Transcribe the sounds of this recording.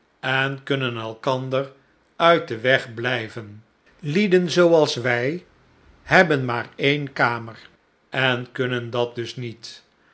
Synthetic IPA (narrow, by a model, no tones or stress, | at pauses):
ɛnkɵnənɛlˠkɑndər | œɥt̚dəʋɛχblɛjvən | lidənzowɑlˠsʋɛj | hɛbənmaːɹejnkaːməɹ | ɛnkɵnəndɑt̚dɵsnit